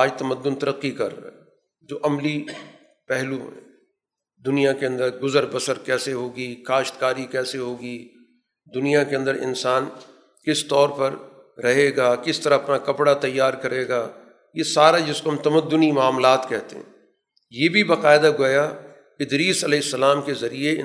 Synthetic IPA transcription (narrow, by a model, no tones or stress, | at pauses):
aːd͡ʒt̪ɐməd̪ːʊnt̪ɐɾəqːikɐ̰ɾ̰ɦ | d͡ʒoːʔɐmli | pɛɦlṵɦɛ̰̃ | d̪ʊnijakeɐ̃nd̪əɾɡʊzəɾbəsəɾkɛːseɦoːɡikaːʃt̪kaːɾikɛːseɦoːɡi | d̪ʊnijakeɐ̃nd̪əɾɪ̰nsaːn | kɪst̪ɔːɾpɐɾː | ɐɦeːɡaːkɪst̪ɐɾaɐpnakɐpɽat̪ɐjːaːɾkɐɾeːɡaː | jesaːɾad͡ʒɪskoɦɐmt̪ɐməd̪ːʊnimaːmlaːt̪kɛɦt̪ḛɦɛ̰̃ | jeːbʱibɐqaːɪd̪aɡoːja | ɪd̪ɾiːsɐlɛːɪsːɐlaːmkezɐɾie